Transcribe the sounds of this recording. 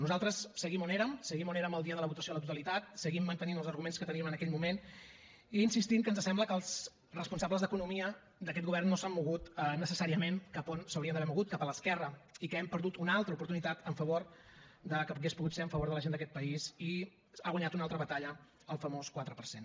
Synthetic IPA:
nuzalˠt̪ɾəsːəɣimoneɾəmsəɣimoneɾəməlˠd̪iəðələβut̪əsioələt̪ut̪əlit̪at̪̚səɣimːənt̪əninəlˠzəɾɣumenskət̪əniəmənəkɛʎmumen | iːnsist̪iŋkənzəsɛmbləkəlˠz | rəspunsabləzðəkunumiə | d̪əkɛt̪̚ɣuβɛrnːosamːuɣut̪nəsəsaɾiəmenkaponsəwɾiənd̪əβɛmuɣut̪̚kapələskɛrəikəɛmpəɾðut̪unalˠt̪ɾəupuɾt̪unit̪at̪əɱfəβoɾd̪əkəpuɣespuɣut̪seəɱfəβoɾðələʒend̪əkɛt̪̚pəisi | aɣwaɲat̪unalˠt̪ɾəβət̪aʎə | əlˠfəmoskwat̪ɾəpəɾsen

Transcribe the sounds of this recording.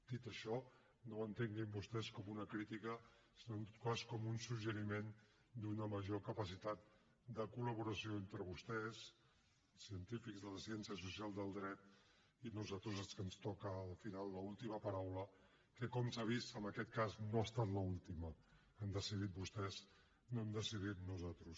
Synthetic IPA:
d̪̥it̪əʃɔ | noənt̪eŋɡimbust̪ɛskɔmunəkɾit̪ikə | sinoənt̪ot̪̚kaskɔmunsuʒəɾimen | d̪unəməʒokəpəsit̪at̪̚ | d̪əkuləβ̞uɾəsioent̪ɾəβust̪ɛz | əlˠsiənt̪ifikzðələsiɛnsiəsusialˠd̪əlˠd̪ɾɛt̪̚ | inuzat̪ɾuzəlˠskənst̪ɔkəːlˠfinalˠːəulˠt̪iməpəɾawlə | kəkɔmsaβ̞ist̪əmbəkɛt̪kaznoast̪at̪ləulˠt̪imə | əmd̪əsið̞it̪̚bust̪ɛz | noemd̪əsið̞it̪nuzat̪ɾus

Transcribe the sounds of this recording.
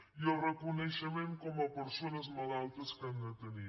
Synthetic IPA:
iorəkunəʃəmeŋkɔməpəɾsonəzməlalˠt̪əskənd̪ət̪əni

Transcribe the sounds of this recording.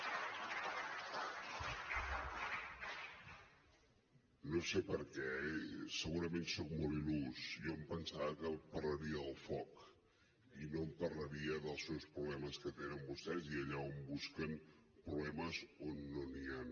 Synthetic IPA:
nosepəɾkɛsəɣuɾəmensok̚molˠilusjɔmpənsakəpərləɾiəːlˠfɔk | inompərləɾiəðəlˠsewspɾuβlɛməskət̪enəmbust̪ɛziəʎaombuskəm | pɾuβlɛməzonːonian

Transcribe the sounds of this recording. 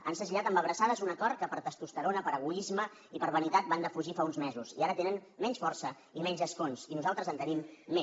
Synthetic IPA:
ə̰nsəʒiʎat̪əmbəβ̞ɾəsaðəzunəkɔɾkəpəɾt̪əst̪ust̪əɾonəpəɾəɣ̞uizmə | ipəɾβənit̪at̪̚band̪əfuʒifaunzmɛzuzḭaɾət̪enənmɛnsfɔrsə | imɛɲzəskonsinuzalˠt̪ɾəzənt̪ənimːe

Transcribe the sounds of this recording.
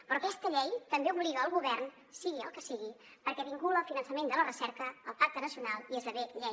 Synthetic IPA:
pɾɔkɛst̪əʎɛjt̪əmbeuβliðəːlˠɣuβɛrn | siɣiə̰lˠkəsiɣi | pəɾkɛβiŋkuləlˠfinənsəmend̪ələrəsɛɾkəːlˠpak̚t̪ənəsiunalˠiezðəβeʎɛj

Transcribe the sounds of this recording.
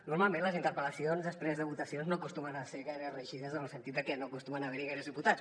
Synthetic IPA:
nuɾmalˠmẽnləzint̪əɾpələsionzðəspɾezðəβut̪əsionznoəkust̪umənəseɣaɾəzrəʒiðəzənəlˠsənit̪d̪əkɛnokust̪umənəβɛɾiɣajɾəzðiput̪at͡s

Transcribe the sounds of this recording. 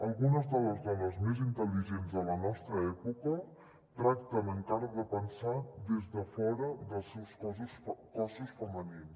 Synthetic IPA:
əlˠɣunəzðələzðɔnəzmezint̪əliʒenzðələnɔst̪ɾəɛpukə | t̪ɾakt̪ənəŋkaɾəðəpənsad̪ezðəfɔɾəðəlˠsɛwsskɔzusfəmənins

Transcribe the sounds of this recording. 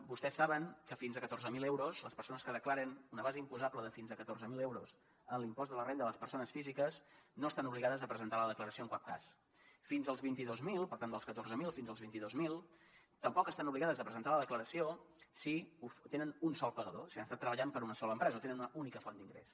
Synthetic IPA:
bust̪ɛsːaβəŋkəfinzəkət̪orzəmilewɾuzləspəɾsonəskəðəklaɾənunəβazəimpuzabləðəfinzəkət̪orzəmilewɾus | ənlimpɔzd̪ələrend̪ələspəɾsonəsfizikəsnoəst̪anuβliɣaðəzəpɾəzənt̪aləðəkləɾəsioəŋkwap̚ka̰s | finzəlˠzβint̪iðozmilˠpəɾt̪and̪əlˠskət̪orzəmilˠfinzəlˠzβint̪iðozmilˠt̪əmpɔkəst̪anuβliɣaðəzðəpɾəzənt̪aləðəkləɾəsio | siut̪enənunsɔlˠpəɣəðosianst̪at̪ːɾəβəʎampəɾunəsɔləmpɾɛzəot̪enənunəunikəfɔnd̪iŋɡɾḛs

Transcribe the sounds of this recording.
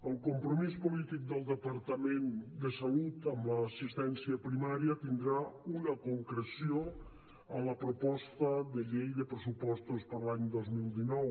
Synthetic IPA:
əlˠkompɾomispolit̪ik̚d̪əlˠd̪əpaɾt̪amẽnd̪əsalut̪əmləːsist̪ɛnsjəpɾimaɾjət̪ind̪ɾaunakoŋkɾesjo | ələpɾopɔst̪əðəʎejðəpɾəsupɔst̪ospəɾlaɲd̪ɔzmilˠd̪inɔw

